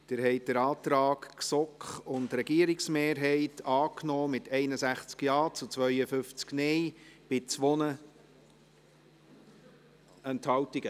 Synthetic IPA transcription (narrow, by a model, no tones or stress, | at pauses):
d̪̥ɪɾɦɛɪt̚dəɾɑːtɾɑːkksɔkχʊndɾɛɡiəɾiksmeːɾɦɛɪtʰɑːknɔːmɪtʰɛɪnəsæχt͡skjɑːt͡sut͡sʋœʏəfʏft͡sknɛjb̥ɪt͡sʋonə | ɛnthɑwtiɡə